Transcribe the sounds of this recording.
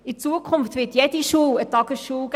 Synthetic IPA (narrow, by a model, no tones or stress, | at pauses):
ɪt͡suəkʰʊnftvɪɐtjediʃuːwətɑɡəsʃuːɡ